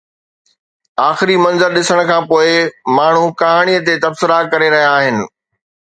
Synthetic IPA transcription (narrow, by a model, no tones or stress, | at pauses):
aːxɪɾimɐ̃nzəɾɗɪsəɽ̃kʰãːpoːɪmaːɳ̤ukaɦaɽ̃ijət̪et̪ɐbsɪɾakɐɾeɾɐɦijaːɦɪnɪ̆